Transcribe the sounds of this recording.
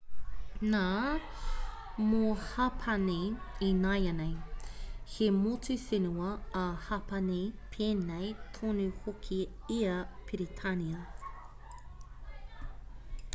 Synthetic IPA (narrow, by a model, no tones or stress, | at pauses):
naː | mohɐpʰɐneinajɐnej | hemot͡sʉfɪnuɐːhɐpɐnepʰeːnejtʰonʉhokʰiiɐpʰiɾitʰaniɐ